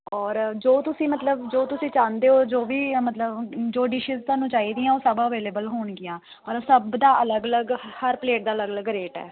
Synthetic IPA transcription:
ɔːɾd͡ʒoːt̪ʊsĩːmət̪ləbd͡ʒoːt̪ʊsĩːt͡ʃãːnd̪eːoːd͡ʒoːʋiːmət̪ləbd͡ʒoːɖɪʃɪzt̪aːnũːt͡ʃaːiːd̪iãːoːsəbaːəʋeːleːbəlɦoːɳɡɪjãː | pəɾsəbd̪aːʔələɡələɡhəɾpleːʈ̚d̪aːələɡələɡɾeːʈɛ̰ː

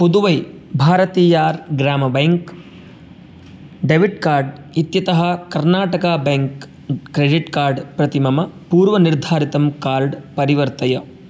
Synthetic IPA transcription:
pud̪uʋɐjbʱaːɾɐt̪iːjaːɾɡɾaːmɐbeŋk | ɖeʋiʈkaːɾɖ | it̪jɐt̪ɐɦɐ̆kɐɾnaːʈɐkaːbeŋkː | ɾeɖiʈkaːɾɖpɾɐt̪imɐmɐpuːɾʋɐniɾd̪ʱaːɾit̪ɐmkaːɾɖpɐɾiʋɐɾt̪ɐjɐ

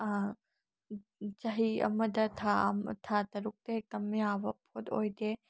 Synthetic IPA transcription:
d͡ʒɐɦiɐ̰mɐdɐt̪ʰamt̪ʰatɐɾuk̚t̪ekɐmjabɐpʰot̪o̰jd̪e

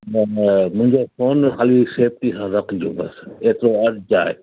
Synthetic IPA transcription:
mʊ̃ɦɪ̃ɲd͡ʒoːsoːnxʰaːliːseːp̚t̪isãːɾəkɡjo̰ːbəseːt̪ɾoəʈd͡ʒaːe

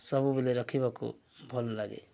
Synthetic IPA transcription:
sʌbubileɾʌkʰibakṵ | bʱɔllaɡḛ

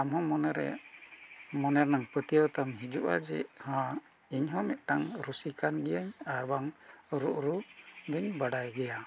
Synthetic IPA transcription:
amhɔ̃mɔnɛɾɛ̰ | mɔnɛɾnaŋpət̪ijəwt̪amɦid͡ʒuʔa̰d͡ʒɛ̰hã | iɲɦɔ̃mɛt̪̚ˀʈaŋɾusikanɡɛjaɲaɾbaŋɾuʔɾud̪uɲbaɖajɡɛja

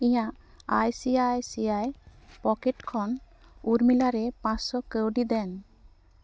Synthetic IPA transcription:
ĩjãʔ | ajsiajsiajpɔkeʈkʰɔn | uɾmilaɾɛpãssɔkəwɖid̪ɛn

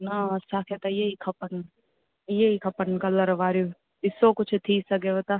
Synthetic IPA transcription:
nat͡ʃakʰet̪ajeikʰɐpən | jeɦikʰɐpənkɐlɐɾʋaːɾju | ɪsokʊt͡ʃʰt̪ʰiːsɐɡeʋɐt̪a

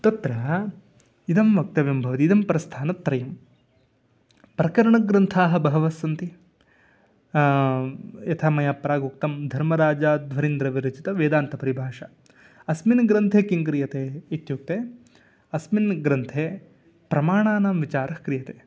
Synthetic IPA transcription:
t̪ɐt̪ɾɐ | id̪ɐmʋɐk̚t̪ɐʋjɐmbʱɐʋɐt̪iːd̪ɐmpɐɾɐst̪ʰaːnɐt̪ːɾɐjɐm | pɾɐkɐɾɐɳɐɡɾɐnt̪ʰaːɦɐ̆bɐɦɐʋɐsɐnt̪i | jɐt̪ʰaːmɐjaːpɾaːɡuk̚t̪ɐmd̪ʱɐɾmɐɾaːd͡ʒaːd̪ʱʋɐɾind̪ɾɐʋiɾɐt͡ʃit̪ɐʋeːd̪aːnt̪ɐpɐɾibʱaːʂɐ | ɐsminɡɾɐnt̪ʰeːkiŋkɾijɐt̪eːit̪juk̚t̪eː | ɐsminɡɾɐnt̪ʰeː | pɾɐmaːɳaːnaːmʋit͡ʃaːɾɐkɾijɐt̪eː

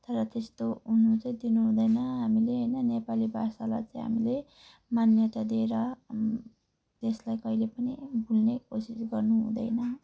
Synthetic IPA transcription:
t̪ʌɾʌt̪est̪ounot͡sʌ̃ĩd̪inuɦũd̪ʌjnʌɦamileɦʌjnʌnepalibʱasala̰t͡sʌĩɦa̰mile | manjʌt̪ad̪ieɾʌ | t̪eslajkʌilepʌnibʱulnekosisɡʌrnuɦṵ̃d̪ʌ̰jnʌ

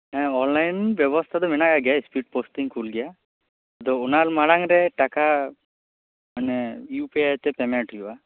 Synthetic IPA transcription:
ɛ̃ɔnlajnbjɔbɔst̪ʰad̪ɔmɛnaɡaɡɛjaspiʈ̚postiŋkʰulɡɛja | d̪ɔunaɾmaɽaŋɾɛʈaka | manɛjupɛt̪ɛpɛmɛʈujuba

